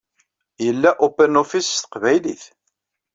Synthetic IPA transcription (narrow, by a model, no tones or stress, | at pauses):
jəlːæʔupəɾnofist̪ə̥qvæjliθ